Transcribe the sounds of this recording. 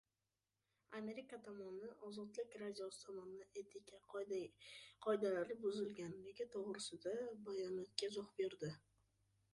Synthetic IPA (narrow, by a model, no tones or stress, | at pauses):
ame̞ɾikat̪ʰɒmɒnɪʔɒzɒd̪lɪkʲɾad̪ʲijosɪ̥t̪ʰɒmɒnnaʔet̪ʰɪkʲa | qʰɒjd̪alaɾɪbʊzɪlɡʲanneɡʲɪt̪ʰoʁɾɪsɪd̪abajɒnɒt̪̚kʲazoχbeɾd̪ɪ